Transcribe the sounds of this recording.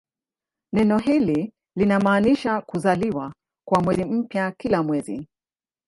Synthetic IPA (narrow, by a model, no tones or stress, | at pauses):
nɛnɔɦili | linamaːniʃakuzaliwa | kwamwɛzim̩pjakilamwɛzḭ